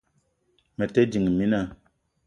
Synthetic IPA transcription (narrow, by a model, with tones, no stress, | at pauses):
mɛ˨te˦d͡ʒi˨ŋ˨mi˦na˦˨